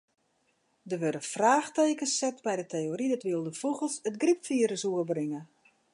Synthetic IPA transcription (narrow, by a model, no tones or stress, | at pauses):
dəʋødəfraːxteːkəsɛtbɛjdətʰejoɾidɔtʋɪəlˠdəfuɣəlˠsətɡripfiəɾəsuərbrɪŋə